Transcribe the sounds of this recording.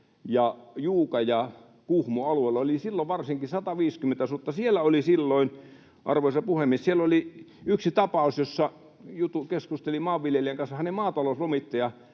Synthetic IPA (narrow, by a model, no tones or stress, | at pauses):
jɑjuːkɑjɑ | kuhmoɑlueilːɑolisilːoʋʋɑrsiŋkisɑt̪ɑʋiːskyment̪æsut̪ːɑsielæolisilːoin | ʔɑ̰rʋoˑisɑpuhemˑiessieloli | yksit̪ɑpɑˑusjosːɑ | jut̪ukeskust̪elimɑːʋʋiljelieŋkɑnsːɑhænemɑːt̪ɑloslomit̪ːɑjɑ